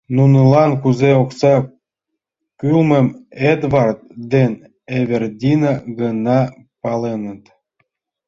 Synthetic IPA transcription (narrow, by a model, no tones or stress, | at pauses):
nunə̆lɑnkuzeoksɑ | kylmə̆med̪βɑrt̪̚d̪en | eβerd̪ʲinɑɡənɑ | pɑlenə̆t̪